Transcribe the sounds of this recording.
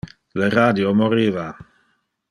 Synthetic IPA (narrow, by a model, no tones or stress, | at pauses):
ləɾadjomoɾiːva